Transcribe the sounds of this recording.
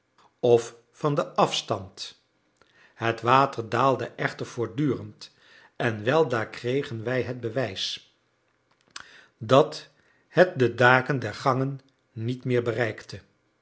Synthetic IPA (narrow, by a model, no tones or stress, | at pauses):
ɔf | fɑndəʔɑfstɑnt | ɦətʋaːtəɹdaːlˠdəʔɛχtəɹv̥ʊːɹdyːrənt | ʔɛnʋɛlˠdaːkrejχənʋɛjɦəd̚bəʋɛjs | dɑt | hət̚dədaːkəndɛɹχɑŋənː | itmɪːɹbərɛjktə